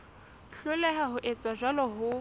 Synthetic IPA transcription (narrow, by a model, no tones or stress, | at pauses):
ɬʊlɛɦaɦʊʔet͡sʼwaʒalɔɦʊ